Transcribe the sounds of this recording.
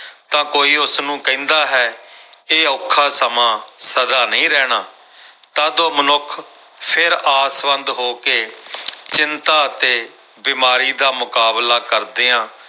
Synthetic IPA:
t̪ãːkoːiːʊsnũːkɛ̃nd̪aːɦɛːeːʊkʰːaːsəmãːsəd̪aːnəĩːɾɛːɽaː | t̪ãːd̪oːmənʊkʰ | pʰɪɾaːsʋə̃nd̪ɦoːkeːt͡ʃɪnt̪aːət̪eː | biːmaːɾiːd̪aːmʊkaːblaːkəɾd̪eːãː

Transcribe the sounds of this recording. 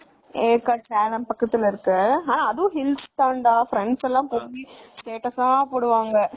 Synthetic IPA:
eːkːaːʈɾeːlɐmpɐkːɐt̪ːɪlɪɾɯkːɯaːnãːɐðɯʋʊ̃ɦɪlst̪aːɳɖaːfɾɛɳɖsɛlːãːmpoːisʈeːʈɐsaːpoːɽɯʋaːŋɡɐ

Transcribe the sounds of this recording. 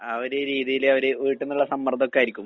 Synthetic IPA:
ɐʋɐɾeɾiːðijilɐʋɐɾeʋiːʈːenːuɭːɐsɐmːɐrd̪o̞kːeaːjiɾikʲːumː

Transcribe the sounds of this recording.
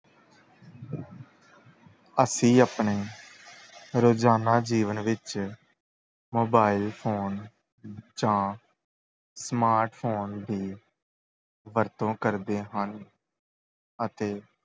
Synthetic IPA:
əsĩːaːpɳeː | ɾoːd͡ʒaːnaːd͡ʒiːʋənʋɪt͡ʃ | moːbaːɪlpʰoːn | d͡ʒãː | smaːɾʈpʰoːnd̪iː | ʋəɾt̪õːkəɾd̪eːɦən | ət̪eː

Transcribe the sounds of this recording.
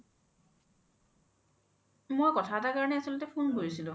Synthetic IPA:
mojkɔtʰatakaɹɔnɛasɔlɔtɛpʰunkoɹisilʊ̃

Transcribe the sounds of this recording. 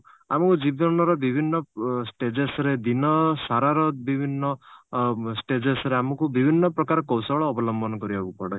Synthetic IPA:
a̰mɔkud͡ʒibɔnɔɾɔbibʱinːɔsʈed͡ʒesɔɾed̪inɔsaɾaɾɔbibʱinːɔ | sʈed͡ʒesɔɾeamɔkubibʱinːɔpɾɔkaɾɔkɔwsɔɔɭɔːbɔlɔmbʱɔnɔkɔɾibabupɔɽɔ

